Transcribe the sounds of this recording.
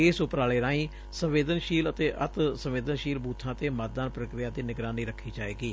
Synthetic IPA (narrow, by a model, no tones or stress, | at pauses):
eːsʊpɾaːleːɾãːĩː | sə̃mʋeːd̪ənʃiːlət̪eːʔət̪sə̃mʋeːd̪ənʃiːlbuːt̪ʰːãːt̪eːmaːt̪̚d̪aːnpɾəkɾɪjaːd̪iːnɪɡɾãːniːɾəkʰːiːd͡ʒaːeːɡiː